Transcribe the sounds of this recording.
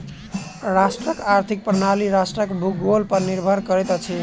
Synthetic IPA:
ɾasʈrʌkaɾt̪ʰik̚prnaliɾasʈrʌkbʱukɡolpʌɾniɾbʱʌɾkʌɾet̪t͡sʰi

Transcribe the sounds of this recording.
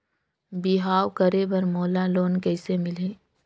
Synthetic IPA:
bɪɦaːwkəɾebɐɾmoːlaloːnkɛːsemɪlẽː

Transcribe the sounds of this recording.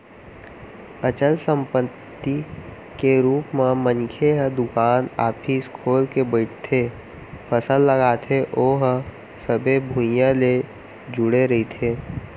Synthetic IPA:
ət͡ʃəlsə̃mpət̪ːi | keɾuːpmãmənkʰeɦd̪ʊkaːna̰ːpʰiːskʰoːlkebəɪʈʰt̪ʰe | pʰəsəlːəɡaːt̪ʰeʔoːɦ | səbʱebʱũjãle | d͡ʒʊɽeɾɐɦit̪ʰeː

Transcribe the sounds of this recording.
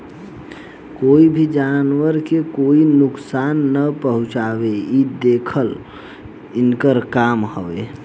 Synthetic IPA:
koibʱid͡ʒanwəɾkekoinʊksanːəpəɦʊ̃t͡ʃabeid̪ekʰəl | ɪnkəɾkamhəbḛ

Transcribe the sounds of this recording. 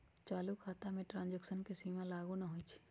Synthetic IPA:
t͡ʃaːlukʰaːt̪amẽʈɾãːnd͡ʒəksənkesiːmalaːɡunaɦoit͡ʃʰː

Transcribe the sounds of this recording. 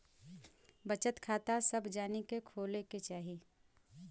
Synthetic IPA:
bət͡ʃət̪kʰaːt̪asəbd͡ʒaːnikekʰoːleket͡ʃaːɦi

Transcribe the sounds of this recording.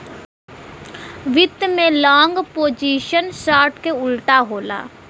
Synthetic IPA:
ʋɪt̪mẽːlɔːŋɡpoːd͡ʒiːʃənsaːɾʈkeːʊlʈaːɦoːla̰ː

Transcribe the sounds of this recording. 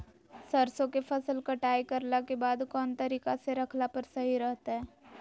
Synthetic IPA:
sɐɾsõkefʰɐsəlkɐʈaːikɐɾlakebaːd̪kɔːnt̪ɐɾiːkaseɾɐkʰlapəɾsɐɦiɾɛɦt̪aɦɛː

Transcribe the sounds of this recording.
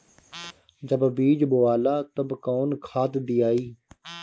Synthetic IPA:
d͡ʒəbbiːd͡ʒboaːlaːt̪əbkoːnkʰaːt̪d̪iːjaːiː

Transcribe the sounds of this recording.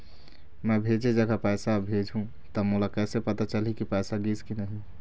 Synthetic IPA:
mɛ̃bʱed͡ʒed͡ʒəɡʱapɛːsabʱed͡ʒʱɦũ | t̪əmolakɛːsepət̪at͡ʃəlikipɛsaɡiskinəɦĩ

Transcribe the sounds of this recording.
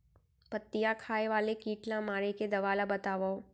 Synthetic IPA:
pɐt̪ːijakʰaːeʋaːlekiːʈlãmaːɾeked̪ɐʋaːlabɐt̪aːʋao

